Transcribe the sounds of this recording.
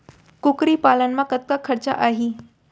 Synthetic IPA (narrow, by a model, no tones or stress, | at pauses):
kukɾiːpalənmakət̪̚kakʰːəɾt͡sa̰ʔaɦiː